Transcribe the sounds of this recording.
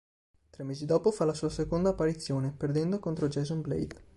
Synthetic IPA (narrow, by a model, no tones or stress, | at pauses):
t̪ɾemːeːzid̪ɔːpofalasuːasekond̪aːpːaɾit̪sːjoːneperd̪ɛnd̪okont̪ɾod͡ʒɛzomblḛjd̪